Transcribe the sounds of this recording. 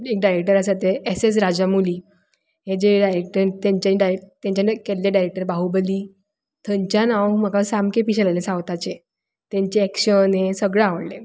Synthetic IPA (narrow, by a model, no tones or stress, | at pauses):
ek̚ɖajɾek̚ʈəɾasat̪eeses̬ɾad͡ʑamuliː | ɦẽd͡ʑeɖajɾek̚ʈəɾt̪jãɲt͡ɕaiɖaɾet̪jãɲt͡ɕakelːeɖajɾek̚ʈəɾbaɦubəliː | t̪ʰəɲt͡ɕjanawm̤akasamkepiɕelalesãwt̪at͡ɕe | t̪ɛ̃ɲt͡ɕeɛkɕənẽsəɡɭeaʋəɽle